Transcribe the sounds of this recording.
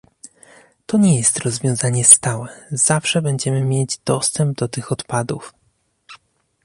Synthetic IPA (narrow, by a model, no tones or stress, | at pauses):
t̪ɔɲɛjɛst̪ɾɔzvʲjɔ̃w̃zaɲɛst̪awɛz̥afʂɛbɛɲd͡ʑɛmɘmʲjed͡ʑd̪̥ɔst̪ɛmb̚d̪ɔt̪ɘxɔt̪pad̪uf